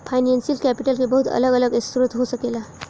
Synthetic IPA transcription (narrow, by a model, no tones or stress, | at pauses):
pʰajnensilkæpiʈəlkʰebəɦut̪ʰə̰ləɡələɡest̪ɾut̪ɦosəkela